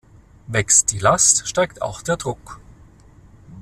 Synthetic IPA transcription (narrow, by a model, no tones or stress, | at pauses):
vɛkstd̥iːlastʃtaɪkta̰ʊxd̥eːɐdʁʊk